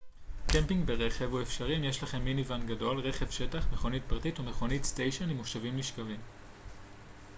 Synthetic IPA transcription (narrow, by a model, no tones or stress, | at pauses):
kempiŋɡbe̞ʁe̞χe̞vuefʃaʁimjeʃlaχe̞mːinivanɡado̞lʁe̞χe̞vʃe̞taχmeχo̞nit̚pʁatitumeχo̞nitstejʃonimoʃavimliʃkavim